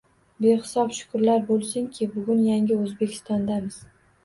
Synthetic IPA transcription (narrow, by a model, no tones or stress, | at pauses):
beχɪsɒpʃʊ̥kʊɾlaɾbolˠsɪŋkʲʰɪbʊɡʲʊnjaŋʲɪɵzbe̞kʲʰɪ̥st̪ɒnd̪amɪz̥